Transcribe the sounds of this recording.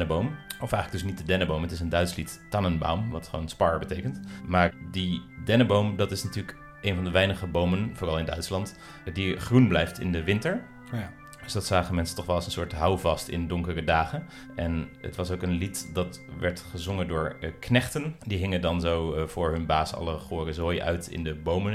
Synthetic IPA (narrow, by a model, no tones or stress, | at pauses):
nəbowmɔfɛjxənləɡ̚dɵs̬nit̚dədɛnəbowmɦətɪsəndœɥtslittanənba̰wmʋɑtχʋo̰wnspɑɹbətejkəntmaːɹdidɛnəbowmdɑtɪsnatyːlək | ʔejnvɑndəʋɛjnəχəbowmənvʊːrɑlˠɪndœ̰ɥtslɑnt | diχrunblɛjftɪ̰ndəʋɪntəɹ | d̥ɵsdɑtsaːχənmɛnsəntɔχʋɛlˠɑsənsʊːɹtɦʌwvɑstɪ̰ndʊŋkərədaːχən | ʔɛnə̰tʋɑsowkənlitdɑt | ʋɛɹtχəzʊŋəndʊːɹknɛχtəndiɦɪŋəndɑnzowvʊːɹɦɵnbaːsɑ̰ləχoːrəzojʔœ̰ɥtɪ̰ndəbowmən